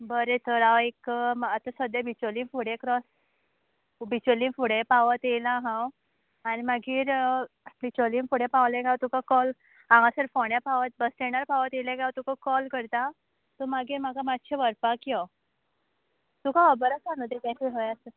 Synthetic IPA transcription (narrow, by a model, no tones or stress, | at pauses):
bəɾet̪əɾaʋekat̪ãsəd̪jebit͡ɕolĩŋfuɽekɾɔs | bit͡ɕoliŋfuɽepaʋət̪elaɦãw | animaɡiːɾ | bit͡ɕolĩŋfuɽẽpawlẽɡat̪ukakɔl | ãŋɡãsəɾfoɳjapaʋət̪̚bəst̪eɳaɾpaʋət̪elẽɡawt̪ukakɔlkəɾt̪a | t̪ɔmaɡiːɾmaɡamat̪ːɕʰeʋəɾpakjɔ | t̪ukaɔbəɾasanut̪ẽt̪ãt͡ɕiɦəjasə